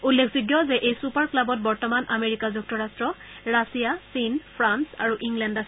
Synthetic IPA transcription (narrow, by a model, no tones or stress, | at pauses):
ulːekʰzuɡjɔzɛʔejsupaɹklabɔt̚bɔɹtɔmanʔameɹikazuk̚tʰɔɹastɹɔ | ɹasijasinpʰɹansa̰ɹuʔiŋlɛnda